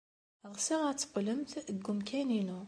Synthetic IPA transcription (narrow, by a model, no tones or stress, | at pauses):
ʁsiʁat̪qləmt̪ɡʊmkʰæninu